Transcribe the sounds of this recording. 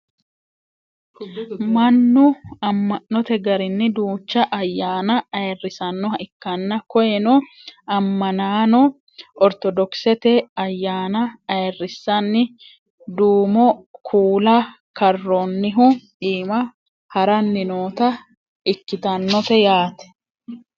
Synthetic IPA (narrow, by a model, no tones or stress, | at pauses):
mɐnːʊɐmːɐnːɔt̪ɛɡɐɾɪnːɪd̪uːt͡ʃːɐʔɐjːaːnɐɐɛrːɪsɐnːɔhɐɪkːɐnːɐkɔjɛnɔ | ɐmːɐnaːnɔ | ɔɾt̪ɔd̪ɔksɛt̪ɛɐjːaːnɐɐɛrːɪsːɐnːɪ | d̪uːmɔkʰuːlɐ | kɐrːonːɪɦʊᶑiːmɐ | hɐɾɐnːɪnoːt̪ɐ | ɪkːɪt̪ɐnːɔt̪ɛjaːt̪ɛ̥